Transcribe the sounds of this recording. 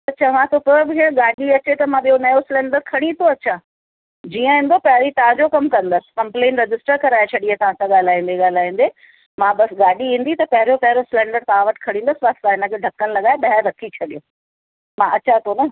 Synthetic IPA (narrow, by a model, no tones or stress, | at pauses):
t̪ɐt͡ɕʰɐʋãt̪ʰopobɪɦeɠaːɗiɐt͡ɕet̪ɐmãɓijonɐjosɪlɛ̃ːɳɖəɾkʰɐɽ̃ĩt̪ʰoɐɕʰa | d͡ʑiːə̃ɦĩnd̪opɐɦɪɾit̪ɐʋ̤ãd͡ʑokɐmkɐ̃nd̪əsɪ̥̆kɐ̃mpleːnɾɪd͡ʑɪsʈəɾkɐɾaːet͡ɕʰɐɗiat̪ɐʋ̤ãsãɠaːl̤aːĩːn̆d̪eɠaːl̤aːĩːnd̪e | mãɓɐsɠaːɗiĩːnd̪it̪ɐpɐɦɪɾijopɐɦɪɾosɪlɛ̃ːɳɖəɾt̪ɐʋ̤ãʋɐʈɪ̥kʰɐɽ̃ĩːnd̪əsʋaːst̪aɦɪnə̆kʰeːɖʱɐkːəñɪlɐɠaːjeɓɐɦɛɾːɐkʰit͡ɕʰɐɗijo | mãʔɐt͡ɕʰat̪ʰonɐ